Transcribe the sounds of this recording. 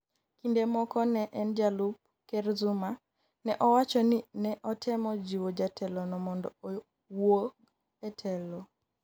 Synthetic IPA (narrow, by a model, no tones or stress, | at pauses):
kindemɔkɔnɛʔɛnd͡ʒalub̚ | kɛɾzuma | nɛʔɔwat͡ʃɔninɛʔɔtʰɛmɔd͡ʒiwod͡ʒatʰɛlɔnɔmɔndɔ̰o | woɡ | ɛtʰɛlɔ